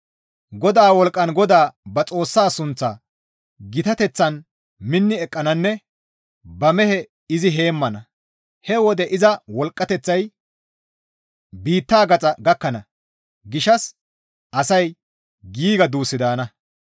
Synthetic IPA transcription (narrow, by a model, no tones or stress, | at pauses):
ɡɔd̪aːwɔlkʼːɐnɡɔd̪aːbɐt͡sʼo̞ːsːaːsʊnt͡sːɐ | ɡɪt̪ɐt̪ɛt͡sːɐn | mɪnːɪɛkʼːɐnɐnːɛ | bɐmɛhɛ | ɪzɪɦe̞ːmːɐnɐ | hɛwɔd̪ɛʔɪzɐwɔlkʼːɐt̪ɛt͡sːɐj | biːt̪ːaːɡɐt͡sʼɐɡɐkːɐnɐ | ɡɪʃɐs | ʔɐsɐj | ɡiːɡɐd̪uːsɪd̪aːnɐ